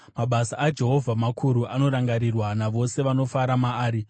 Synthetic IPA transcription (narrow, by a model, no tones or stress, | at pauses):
maɓasaʔːd͡ʒe̞ɦo̞vʱamakʰuɾuʔano̞ɾaŋɡaɾirwanaʋo̞se̞ʋano̞faɾamaːɾi